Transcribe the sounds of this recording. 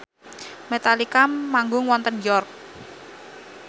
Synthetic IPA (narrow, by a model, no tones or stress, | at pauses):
met̪alikamaŋɡʊŋwɔnt̪ənjɔrk̚